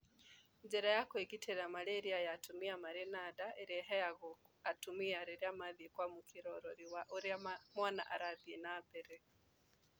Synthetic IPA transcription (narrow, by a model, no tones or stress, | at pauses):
ɲd͡ʒɛɾajakweɡitʰeɾamaɾeɾiajatumiamaɾenadaeɾeɦɛjaɣoatumiaɾeɾeamaðiekwamukeɾɔɾɔɾiwaʔoɾeamwana̰ʔa̰ɾaðienabɛɾɛ